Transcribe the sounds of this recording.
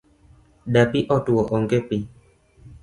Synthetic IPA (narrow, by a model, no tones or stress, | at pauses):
dapiʔɔtuwɔʔɔŋɡepi